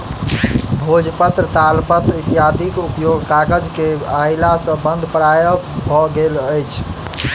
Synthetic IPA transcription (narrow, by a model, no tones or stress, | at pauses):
bʱod͡ʒpət̪ɾət̪alpət̪ɾit̪jat̪ikupjoɡkakəd͡ʒkeailasə̃bənd̪ʱpɾajəbʱɔɡeləjt͡ʃʰ